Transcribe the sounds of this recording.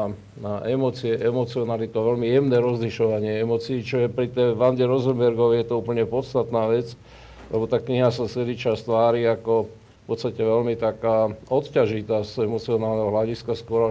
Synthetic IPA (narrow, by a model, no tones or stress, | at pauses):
aʔɛmɔt͡siɛʔɛmɔt͡siɔnalit̪uaʋɛlmijɛmnɛːɾɔzliʃɔʋaɲɪɛɛmɔt͡siːt͡ʃɔjɛpɾit̪ɛjʋanɟɛɾɔzɛmbɛɾɡɔʋɛjɛt̪ɔuːpəɲɛpɔt̪st̪at̪naːʋɛt͡s | lʔɛbɔt̪aːkɲiɦasasɛd̪it͡ʃast̪ʋaːɾiːakɔ | pɔt̪t͡sst̪acɛʋɛlmit̪akaːɔt̪caʒit̪aːzɛmɔt͡siɔnaːlnɛɦɔɦlaɟiskaskʊɔɾa